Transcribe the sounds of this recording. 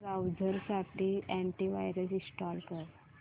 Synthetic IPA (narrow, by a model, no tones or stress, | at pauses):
ɾawd͡zʱəɾsaʈʰiɛ̃ɳʈiʋa̰jɾəsisʈɔlkəɾ